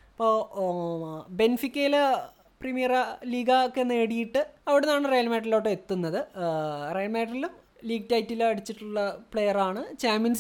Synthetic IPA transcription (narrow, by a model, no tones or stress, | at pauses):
pːoː | be̞nfikʲːelɐ | primijɐrliːɡɐokːenːeːɽijiʈːɨɐʋiɽenːaːɳɨrejɐlmeːʈ̬ːɐlo̞ːʈːeet̪ːunːɐðɨrejɐlmeːʈːɐlilum | liːɡ̚tɐjtːilɐɽit͡ɕːiʈːuɭːɐpɭejɐraːɳɨt͡ɕaːmjɐns